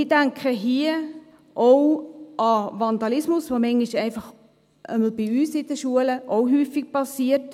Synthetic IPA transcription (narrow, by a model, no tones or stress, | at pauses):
ɪdæŋkʰəɦiə | ʔowɑvɑnd̥̪ɑlɪsmʊsʋomɛŋiʃɛɪnfɑχ | ʔə̰məlbiyːsɪd̥əʃuələʔoʊɦyːfik̚pɑsiːət